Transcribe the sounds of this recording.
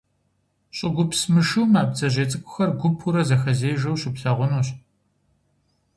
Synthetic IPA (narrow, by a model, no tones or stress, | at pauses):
ɕʼɪɡʷʊpsmɨʂuːmaːp̚t͡sɐʑeːt͡sʼɨkʷʰʼʊ̥xɐrɡʷʊpʰuɾɐzɐxɐzeːjʒɐwɕʼɪpɬɐʁʷʊnuːɕ